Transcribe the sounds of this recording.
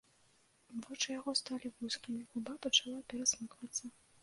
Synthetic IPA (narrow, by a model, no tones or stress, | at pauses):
vɔt͡ʂɨjaɣɔst̪alʲivusʲkʲimʲixubapɐt͡ʂalˠapʲɛɾɐsmɨkvɐt̪sːɐ